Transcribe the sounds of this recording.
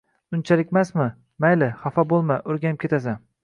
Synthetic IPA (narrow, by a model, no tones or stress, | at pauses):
ʊnt͡ʃʰalɪkʲmasmɪ | majlɪχafabolˠmaʔɵɾɡʲanɪp̚kʰʲe̞t̪as̬an